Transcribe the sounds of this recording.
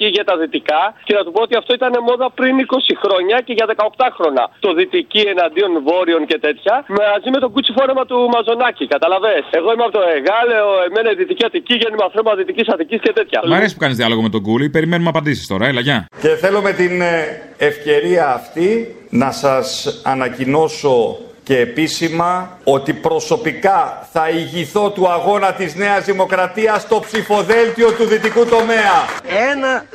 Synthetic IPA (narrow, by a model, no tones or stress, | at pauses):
iʝɐt̪ɐðit̪ikɐce̞nɐt̪upo̞ot̪iɐft̪o̞it̪ɐne̞mo̞ðɐpɾiniko̞sixɾo̞ɲɐce̞ʝɐðe̞kɐo̞kt̪ɐxɾo̞nɐ̰t̪o̞ðit̪icie̞nɐnd̪io̞nvo̞ɾio̞ŋce̞t̪e̞t̪çɐmazime̞t̪o̞ɡut͡sifo̞ɾe̞mɐt̪umɐzo̞nɐcikɐt̪ɐlɐve̞se̞ɣo̞imeɐpot̪o̞eɣɐloeme̞nɐiðit̪iciɐt̪iciʝenimɐnθɾo̞mɐðit̪icisɐt̪icisce̞t̪e̞t̪çɐ̰ɐɾesispu̥kɐnizðiɐlo̞ɣome̞t̪o̞ɡulipe̞ɾime̞numɐpɐnd̪isi̥st̪o̞ɾɐelɐʝɐce̞θe̞lo̞me̞t̪ine̞fce̞ɾiɐːft̪inɐsɐsɐnɐcino̞so̞ce̞ːpisimɐ | o̞t̪ipɾo̞so̞pikɐθɐiʝiθo̞t̪uɐɣo̞nɐt̪izne̞ɐzðimo̞kɾɐt̪iɐst̪o̞psifo̞ðe̞lt̪io̞t̪uðit̪ikut̪o̞me̞ɐenɐ